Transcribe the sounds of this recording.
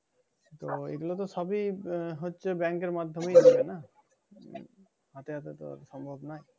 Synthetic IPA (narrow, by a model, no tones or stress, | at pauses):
t̪oḛɡulot̪̬osɔbiɦotːt͡ʃʰebɛŋkeɾmad̪ʱːɔmejadibena | ɦɔt̪eɦat̪et̪o̰sɔmbʱɔbnaj